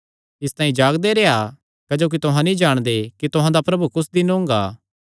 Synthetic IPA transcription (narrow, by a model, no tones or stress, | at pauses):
ɪst̪ãːĩd͡ʒaːɡd̪eɾeːa | kɐd͡ʒoːk̬it̪ʊɦãnĩd͡ʒaːɽ̃d̪ekit̪ʊɦãd̪apɾɐbukʊsd̪ɪnõːŋɡa̰ː